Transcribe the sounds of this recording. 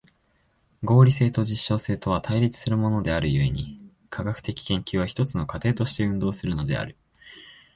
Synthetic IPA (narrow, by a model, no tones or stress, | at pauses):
ɡo̞ːɾʲise̞ːt̪o̞ʑiɕːo̞ːse̞ːt̪o̞β̞at̪ʰaiɾʲit͡sɨ̥sɨɾɯ̟mo̞no̞d̪e̞aɾɯ̟jɯ̟e̞ɲ̟i | kʰaɡakɯ̥t̪e̞kʲi̥kẽ̞ŋkʲɨːβaçi̥t̪o̞t͡sɨno̞kat̪e̞ːt̪o̞ɕi̥t̪e̞ɯ̟̃nd̪o̞ːsɨɾɯ̟no̞d̪e̞̰a̰ɾɯ̟